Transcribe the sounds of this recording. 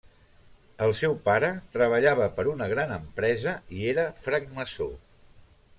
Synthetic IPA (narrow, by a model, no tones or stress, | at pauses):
əlˠsɛwpaɾət̪ɾəβ̞əʎaβəpəɾunəɣ̞ɾanəmpɾɛzəieɾəfɾəɡ̚məso̰